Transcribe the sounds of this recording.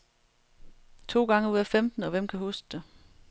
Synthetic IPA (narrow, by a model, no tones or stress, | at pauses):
t͡sʰo̝̰ːɡ̥ɑ̈ŋəuð̰ˠæfemd̥n̩ɒ̽ʋem̰kʰæɦusɡ̥̚d̥e